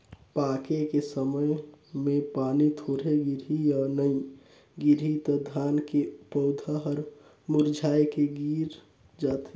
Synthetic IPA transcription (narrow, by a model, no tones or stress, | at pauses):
pakekesəməjmẽpaːnit̪ʰoɾeɡiɾijaːnəĩ | ɡiɾit̪ɔd̪ʱankepɔʊd̪ʱəɦəɾ | muɾd͡ʒʱaːjkeɡiːɾ | d͡ʒaːt̪e